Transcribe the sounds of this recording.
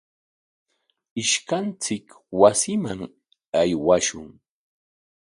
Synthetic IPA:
ɪʃkant͡sɪk | wasɪmaŋ | ajwaʃʊŋ

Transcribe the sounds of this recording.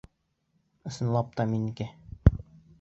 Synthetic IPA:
ɤ̆sɤ̆nlˠɑp̚t̪ɑminikɘ

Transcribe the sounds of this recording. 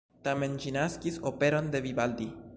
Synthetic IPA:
t̪amend͡ʒinaskisopeɾo̞nd̪e̞βiβald̪i

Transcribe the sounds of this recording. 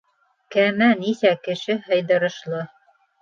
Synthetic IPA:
kæmænisækɘ̆ʃɘɦɤ̆jðɤ̆ɾɤ̆ʃlˠɤ

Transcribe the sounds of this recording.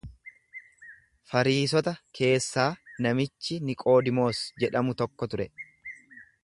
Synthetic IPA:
fɐɾiːs̬ɔt̪ɐkʰe̞ːsːaːnɐmɪt͡ʃːɪnɪkʼo̞ːd̪ɪmo̞ːsd͡ʒɛᶑɐmʊt̪ɔkːɔt̪ʊɾɛ

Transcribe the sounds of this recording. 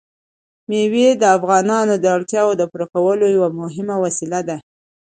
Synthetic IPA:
mewed̪əafɣɑnɑnod̪əaɽt̪jɑwod̪əpuɾakawəlojawamʊɦɪmawasilad̪a

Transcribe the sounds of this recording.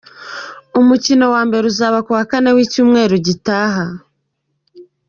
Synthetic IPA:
umucino̞waːmbe̞ɾeuzaːβakuwakane̞wiːcuːmŋe̞ːɾuɟitaːɦa

